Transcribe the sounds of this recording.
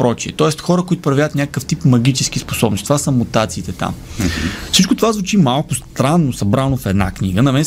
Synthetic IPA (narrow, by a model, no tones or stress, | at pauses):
pɾɔt͡ʃiɛt̪ɔɛst̪xɔɾəkʊit̪ʊ̥pɾɐvʲaət̪nʲakəkəft̪ipmɐɡʲit͡ʃɛsk̟ispo̥sɔbnsit̪ovasəmut̪at̪siːt̪ɛt̪a̰m | fsit͡ʃkʊt̪ovazvut͡ʃimalˠkʊst̪ɾanːosɐbɾanofɛd̪na̰kniɡənɐmɛn